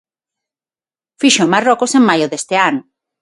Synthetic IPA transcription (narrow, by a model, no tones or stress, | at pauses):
fiʃomarɔkoseŋmajoðest̪eanʊ